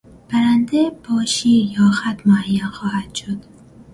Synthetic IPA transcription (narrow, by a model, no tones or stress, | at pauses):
b̥æɾand̪ebɒːʃijɒːxat̪mʊajːanxɔːhad̪ʃod̪̥